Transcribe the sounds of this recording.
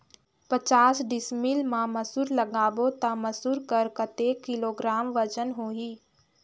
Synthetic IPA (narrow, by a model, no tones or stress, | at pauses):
pət͡ʃaːsɖɪsmilmãməsuːɾləɡaːʋot̪aməsuːɾkəɾkət̪ekɪloːɡɾaːmʋəd͡ʒənɦoːiː